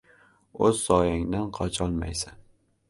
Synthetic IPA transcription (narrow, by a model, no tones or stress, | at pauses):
ɵzːɒjaŋd̪anqʰɒt͡ʃʰɒlˠma̰jsan